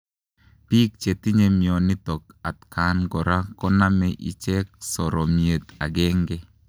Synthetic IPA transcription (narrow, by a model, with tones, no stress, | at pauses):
pi˦k̚t͡ʃe˨ti˦ɲe˦mi˨ɔ˨ni˦tɔ˨ka˨tka˨˦nɡɔ˨ɾa˦kɔ˦na˦mɛ˨ʔḭ˨t͡ʃɛ˦k̚sɔ˨ɾɔ˨mie˨t̪a˨ɡɛ˦ŋɡɛ˦